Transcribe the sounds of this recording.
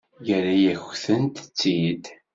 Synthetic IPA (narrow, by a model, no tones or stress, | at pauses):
jəɾajæçθənt̪ə̥t͡sːid̪